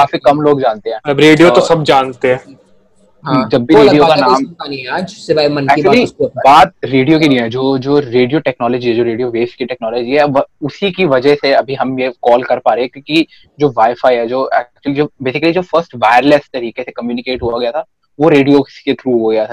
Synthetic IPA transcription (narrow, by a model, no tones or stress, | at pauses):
kaːfikɐmloːɡd͡ʒãːnt̪eɦɛ̃ːɐɐbɾeːɖijot̪osɐbd͡ʒaːnt̪ẽɦɛ̃ː | ɦd͡ʒɐbːiɾeːɖijokanaːmaniɛaːd͡ʒsebʱaimɐnɛːkit͡ʃʊəlisbaːt̪̚ɾeːɖijok̬id̪ĩɛ̃d͡ʒoːd͡ʒoːɾeːɖijoʈɛknɔːlɔd͡ʒiɦɛd͡ʒoːɾeːɖijoʋeːskiʈɛːknɔːlɔd͡ʒiɦɛʋɐʊsikiʋɐd͡ʒəɦseɐbʱiɦɐmjekɔːlkɐɾpaːɾeɛ̃kjõːki | d͡ʒoːʋaːɪfaːiɦɛd͡ʒoːɛ̰ːk̚t͡ʃʊəlid͡ʒoːbeːsɪkəlid͡ʒoːfɐɾsʈʋaːɪɾlest̪ɐɾiːkesekɐmjuːnɪkeːʈɦuaɡɐjat̪ʰa | ʋoɾeːɖijoset̪ʰɾuːɦoɡɐjat̪ʰa